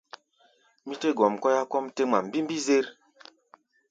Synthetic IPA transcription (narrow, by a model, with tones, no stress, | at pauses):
mi˦te˦ɡɔ˨mkɔ˦ja˦kɔ˦mte˦ŋ͡ma˨m˦bi˦m˦bi˦ze˦ɾ